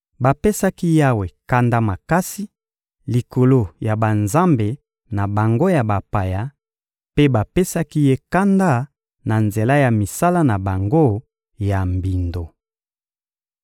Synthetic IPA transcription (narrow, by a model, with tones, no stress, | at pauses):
ba˨pe˦sa˦ki˦ja˦we˨ka˦nda˦ma˨ka˦si˦ | li˨ko˨lo˦ja˨ba˨nza˦mbe˨ | na˨ba˨ŋɡo˦ja˨ba˨pa˨ja˦ | pe˦ba˨pe˦sa˦ki˦je˦ka˦nda˦ | na˨nze˨la˦ja˨mi˨sa˦la˦na˨ba˨ŋɡo˦ | ja˨mbi˨ndo˨